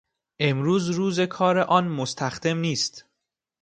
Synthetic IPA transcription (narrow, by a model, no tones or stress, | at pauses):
ʔe̞mɾuːzɾuːze̞kʰɒːɾeʔɒːnmost̪ʰæxd̪e̞mniːst̪